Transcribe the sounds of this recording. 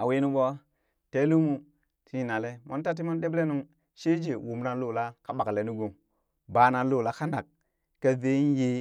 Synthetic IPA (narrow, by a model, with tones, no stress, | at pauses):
a˨we˦nu˦bo˦ | te˦lu˦mu˦ | tʰi˦˨na˨le˦ma˦n˦ta˦t̬i˦ma˦n˦ɗe˦ble˦nu˦ŋ | ʃe˦d͡ʒe˨wu˨m˦na˨lo˨la˦ka˦ɓa˨kle˨nu˦ɡo˨m | ba˨na˨lo˦˨la˦ka˦nda˨k̚ | ka˦ðe˦je˦